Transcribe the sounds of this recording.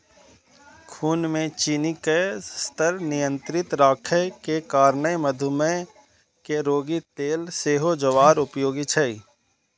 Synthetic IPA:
kʰuːnmẽt͡ʃinikəst̪ʰəɾnɪjə̃nt̪ɾɪt̪ɾaːkʰəkekaːɾnəjməd̪ʱʊmə | keɾoːɡit̪eːlseːɦod͡ʒəʋaːɾʊpjoːɡit͡ʃʰəi

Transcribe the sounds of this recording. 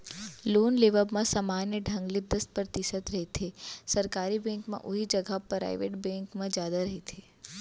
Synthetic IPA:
loːnleːʋəbmãsamaːnjəɖʱɐ̃ŋɡlɪd̪əst̪̚pɾt̪ɪʃət̪ɾɐɦet̪ʰesɐɾkaːɾibɛ̃ːŋkmã̰ʔʊɦid͡ʒɐɡʱapɾa̰ːɪʋḛːʈbɛ̃ːŋkmãd͡ʒjaːd̪aɾɐɦit̪ʰeː

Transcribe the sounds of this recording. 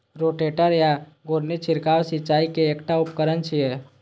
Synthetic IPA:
ɾoːʈeːʈəɾjaɡoːɾnit͡ʃʰɪɾkaːwsɪt͡ʃaːikeːkʈaʊpkəɾənt͡ʃʰiɦɛː

